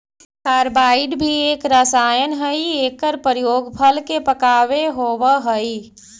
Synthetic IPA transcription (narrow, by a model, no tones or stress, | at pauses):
kaːɾbaːɪɖbʱieːkɾaːsaːjənɦəieːkːəɾpəɾjoːɡpʰəlkepəkaːʋeɦoːwəɦəi